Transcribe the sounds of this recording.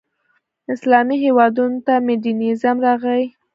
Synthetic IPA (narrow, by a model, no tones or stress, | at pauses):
ɪslɑmiɦewɑd̪unot̪amed̪inizamɾɑɣəj